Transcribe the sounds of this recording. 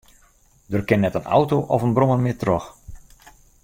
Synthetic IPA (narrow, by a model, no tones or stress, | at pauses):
dərkɪnːɛtəna̰wtoʔɔfənbroməmɪtrɔx